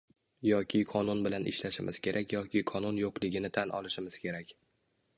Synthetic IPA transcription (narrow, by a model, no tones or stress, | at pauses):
jɒkʲʰɪqʰɒnʊnbɪlanʔɪ̰ʃlaʃɪmʔɪz̥kʲʰe̞ɾʔakʲjɒkʲɪqʰɒnʊnjoqlˠɪɡʲɪnɪt̪ʰanʔɒ̰lˠɪʃɪmɪz̥kʲʰe̞ɾakʲ